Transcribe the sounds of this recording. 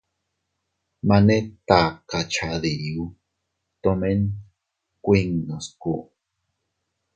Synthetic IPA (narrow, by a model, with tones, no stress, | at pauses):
ma˨ne˦t̪a˨ka˨t͡ʃʰa˨ði˨ju˦ | t̪o˧me˦n | kʷi˦ŋno˨sku˦ʔ